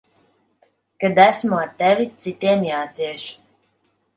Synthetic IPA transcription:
kad̪æsmuat̪ɛvʲit̪sit̪iɛmjaːt̪ziɛʃ

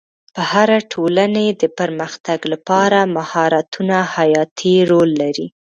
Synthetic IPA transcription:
pəhaɾaʈʰolaned̪əpəɾməxt̪aɡlapɑɾamahɑɾat̪unahajɑt̪ʰiɾolːaɾi

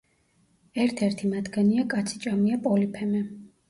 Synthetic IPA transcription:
ɛɾt̪ʰɛɾt̪ʰimad̪ɡɛniakʼat̪sʰi̥t͡ʃʼamiapʼɔlipʰɛmɛ

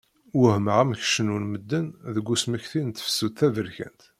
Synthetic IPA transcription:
wʊhməʁæmç̥ʃənunməd̪ːənðəɡʷːusməçθint̪ːə̥fə̥suθævəɾçæ̰nt̪

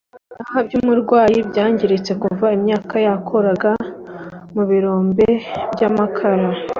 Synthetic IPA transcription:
ahabɟuːmuɾɡwaːjibɟaːɲɟiɾet͡se̞kuvaimɲaːkajakʰo̞ɾaɡa | muβiɾo̞ːmbe̞bjamakʰaɾa

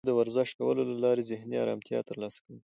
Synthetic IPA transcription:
d̪əwaɾzəʃkawəlolalɑɾezɪhniɑ̰ɾɑ̰mt̪jɑ̰t̪əɾlɑsḁkəwi

